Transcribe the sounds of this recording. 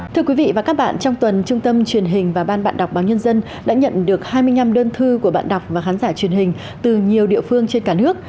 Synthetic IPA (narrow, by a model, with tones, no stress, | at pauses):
t̪ʰɨ˧əkwi˨˦vḭ˧˨vaː˨˩kaː˦˥k̚ɓa̰ː˧˨nt͡ɕɔ˧wŋ͡mt̪wə˨˩nt͡ɕʊ˧ŋ͡mt̪ə˧mt͡ɕwi˨˩ənɦï˨˩ŋ̟vaː˨˩ɓaː˧nɓa̰ː˧˨nɗa˨˩k͡p̚ɓaː˨˩wɲə˧nzə˧n | ɗa̰ː˧˥ɲə̰˧˨nɗɨ˨˩ək̚haː˧jmɨ˧əjɲna˧mɗəː˧nt̪ʰɨ˧ku˧˩əɓa̰ː˧˨nɗa˨˩wk͡p̚vaː˨˩xaː˨˦nzaː˧˩t͡ɕwi˨˩ənɦï˨˩ŋ̟ | t̪ɨ˨˩ɲi˨˩əwɗḭ˧˨əfɨ˧əŋt͡ɕe˧nkaː˧˩nɨ˦˥ək̚